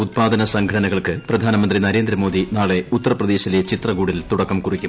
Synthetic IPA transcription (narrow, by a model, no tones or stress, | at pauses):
ut̪̚paːd̪ɐnɐsɐŋɡʱɐɽɐnɐɣɐɭkɨprɐd̪ʱaːnɐmɐnd̪rinɐɾe̞ːnd̪ɾɐmoːd̪inaːɭe̞ut̪ːɐrɐprɐd̪e̞ːɕilet͡ɕit̪rɐɡuːɽilt̪uɽɐkːɐmkurikʲːum